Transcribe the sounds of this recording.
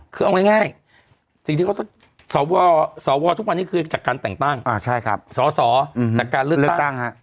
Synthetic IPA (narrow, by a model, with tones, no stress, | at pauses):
kʰɯː˧ʔa˧wŋa˥˩jŋaː˥˩j | si˨ŋt̪ʰiː˧ka˥˩t̪ɔ˥˩ŋ | sɔː˩˦wɔː˧sɔː˩˦wɔː˧t̪ʰu˥k̚wa˧nːiː˦˥˩kʰɯː˧t͡ɕaː˨˩kːaː˧nt̪ɛ˨˩ŋt̪a˥˩ŋʔaː˧˩t͡ɕʰa˥˩jkʰɾa˦˥p̚sɔː˩˦sɔː˩˦˧aː˨˩kːaː˧lɯ˥˩lɯ˥˩t̪a˥t̪a˥˩ŋha˦˥ʔ